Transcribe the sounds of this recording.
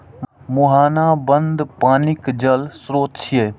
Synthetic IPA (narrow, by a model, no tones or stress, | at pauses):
mʊɦaːnaːbənd̪paːnɪkd͡ʒəlsɾoːt̪t͡ʃʰieː